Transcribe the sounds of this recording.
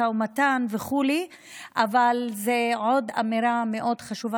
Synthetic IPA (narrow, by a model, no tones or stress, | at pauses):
aumatanveχuli | ʔavalzeʕo̞da̰meɾame̞ʔo̞dχaʃuva